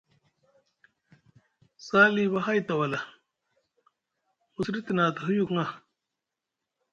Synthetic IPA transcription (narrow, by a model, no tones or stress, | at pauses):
saːliβaɦajt̪ɐwɐla | musɾit̪naːt̪ɦujukŋa